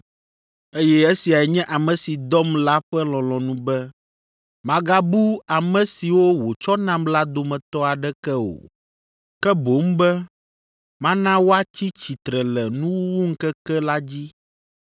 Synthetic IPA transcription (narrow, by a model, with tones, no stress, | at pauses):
e˦jɛ˦e˦si˨a˨ɛ˨ɲɛ̃˦ʔa˨mɛ̃˨si˨d̪ɔ˦mla˦ɸɛ˦lɔ̃˨lɔ̃˨nũ˦bɛ˦ | mã˦ɡa˦bu˦a˨mɛ̃˨si˨wo˦wo˨t͡ʃɔ˦nã˦mla˦d̪o˨mɛ̃˨t̪ɔ˦a˨ɖɛ˦kɛ˦o̰˨ | kɛ˦bo˨˦m˦bɛ˦ | mã˦nã˦wo˦a˦t͡ɕi˦t͡ɕi˨t̪ɾɛ˨lɛ˨nũ˦wu˦wu˦ŋ̩˦kɛ˦kɛ˦la˦d͡ʑi˦